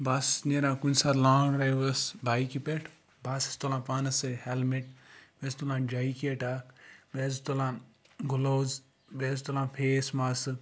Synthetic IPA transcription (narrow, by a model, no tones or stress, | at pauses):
basneɾãːkunsaɾlaːɳɖɾajʋɐsbʱaːikipeʈʰ | bʱasi̥st̪olãːpaːnɐsɨhelmeʈ̚best̪olãːd͡ʒaikieʈaːkbezt̪olãː | ɡuloːz | best̪olãːpʰeːsmasɨ